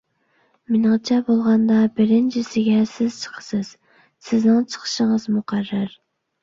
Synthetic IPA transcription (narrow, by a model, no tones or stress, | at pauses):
mɪnʁɨt͡ʃʰɛbolˠʁɑnd̪ɑbɪɾɪnt͡ʃʰɪsɪɡʲɛsɪz̥t͡ʃʰə̥qʰə̥sɪz̥ | sɪznɪŋt͡ʃʰə̥qʰə̥ʃəŋəzmuqʰærːɑɾ